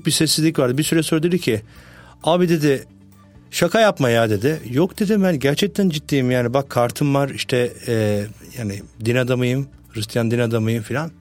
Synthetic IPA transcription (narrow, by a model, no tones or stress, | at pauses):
k̚bisɛsːizlʲicvaɾd̪ɯbisyɾɛsøɾd̪eɾicʰi | aːbid̪e̞d̪ɪ | ʃakʰajapmajad̪e̞d̪ɪjokd̪e̞d̪ibænɟæɾt͡ʃʰɛc̚t̪ʰænd͡ʒit̪ːiːimjaːnibakʰːaɾt̪ʰɯmvaɾiʃt̪ʰɛː | jaːnɪd̪inad̪amajɯm | hɯɾɯst̪ʰijand̪inad̪amajɯmfilʲan